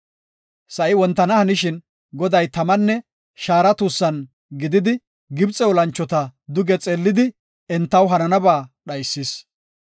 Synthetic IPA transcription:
sɐʔɪwɔnt̪ːɐnɐhɐnɪʃɪn | ɡɔd̪ɐjt̪ɐmɐnːɛ | ʃaːɾɐt̪uːsːɐn | ɡɪd̪ɪd̪ɪ | ɡɪbt͡sʼɛwɔlɐnt͡ʃːɔt̪ɐd̪ʊɡɛt͡sʼeːlːɪd̪ɪ | ɛnt̪ːɐwɦɐnɐnɐbaːɗɐjsːis

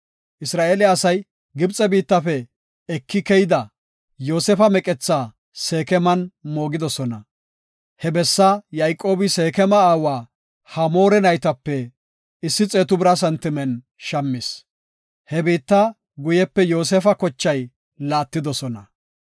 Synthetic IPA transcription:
ʔɪsɾaːʔeːlɪɐsɐj | ɡɪbt͡sʼɛbiːt̪ːɐfɛ | ɛkːɪkɛjɪd̪ɐ | joːsɛfɐmɛkʼɛt͡sːaː | se̞ːkɛmɐnmo̞ːɡɪd̪ɔsɔnɐ | hɛbɛsːɐjajkʼːo̞ːbɪse̞ːkɛmɐaːwaː | hɐmo̞ːɾɛnɐjt̪ɐpːɛ | ɪsːɪt͡sʼeːt̪ʊbɪɾɐs̬ɐnt̪ːɪmɛn | ʃɐmːɪs | hɛbiːt̪ːɐ | ɡʊjɛpːɛjo̞ːs̬ɛfɐkɔt͡ʃːɐj | laːt̪ːɪd̪ɔsɔnɐ

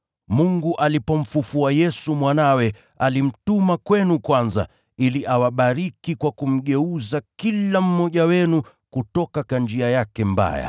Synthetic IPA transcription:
muŋɡuʔalipɔm̩fufuajɛsumwanawɛ | alim̩tumakwɛnukwanza̰ | iliʔawaɓaɾikikwakum̩ɠɛuzakilam̩mːɔʄawɛnu | kutɔkakand͡ʒiajakɛmba̰ja̰

